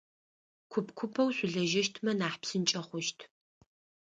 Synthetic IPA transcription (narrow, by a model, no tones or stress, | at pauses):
kʷʰʊpʰkʷʰʊpʰɐwɕʷʼʊɮɐʒɐʃtʰmɐnaːħpsɨnt͡ʃʼɐχʷʊʃtʰ